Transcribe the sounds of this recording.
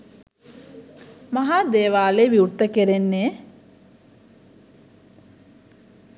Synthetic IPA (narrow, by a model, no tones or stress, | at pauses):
maɦaːd̪eːʋaːleːʋiurt̪ːəkeɾenːeː